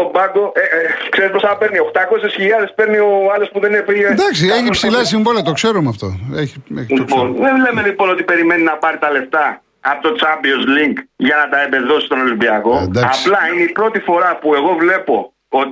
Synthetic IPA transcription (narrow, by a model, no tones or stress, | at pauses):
obɐɡoekseɾisposɐɐpeɾnioxt̪ɐkosesçiʎɐðe̞spe̞ɾnioɐlospuðenefiled̪ɐksieçipssilɐs̬iɱvoliɐt̪o̞kse̞ɾumeɐft̪o̞̰eçiḛçionðenle̞melipo̞no̞t̪ipe̞ɾime̞ninɐpɐɾit̪ɐle̞ft̪ɐː | pot̪ot͡sɐmbio̞zliŋkʝɐnɐt̪ɐebe̞ðo̞si̥st̪o̞no̞limbiɐko̞d̪ɐɐplɐineipɾo̞t̪ifo̞ɾɐpue̞ɣo̞vle̞po̞ | ot̪